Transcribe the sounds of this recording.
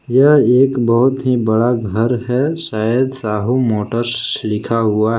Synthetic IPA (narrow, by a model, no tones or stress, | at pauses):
jəɦeːkbəɦʊt̪ɦibəɽaɡʱəɾɦɛʃaːjəd̪saːɦumoːʈəɾslɪkʰaɦʊaɦ